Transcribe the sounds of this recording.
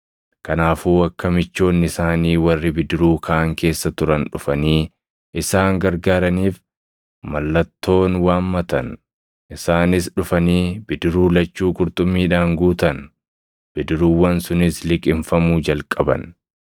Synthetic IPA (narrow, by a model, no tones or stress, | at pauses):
kɐnaːfuːɐkːɐmɪt͡ʃːo̞ːnːɪsaːniːwɐrːɪbɪd̪ɪɾuːkʰɐʔːŋkʰe̞ːsːɐt̪ʊɾɐnᶑʊfɐniː | ʔɪsaːŋɡɐɾɡaːɾɐniːf | mɐlːɐt̪ːo̞ːnwaːnmɐt̪ɐn | ʔɪsaːnɪsᶑʊfɐniːbɪd̪ɪɾuːlɐt͡ʃːuːkʼʊɾt̪ʼʊmːiːᶑaːŋɡuːt̪ɐn | b̥ɪd̪ɪɾuːwːɐnsʊnɪslɪkʼɪɱfɐmuːd͡ʒɐlkʼɐbɐ̰n